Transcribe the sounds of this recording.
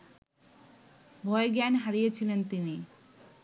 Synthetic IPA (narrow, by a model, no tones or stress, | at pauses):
bʱɔeɡɛnɦaɾijet͡ɕʰilent̪ini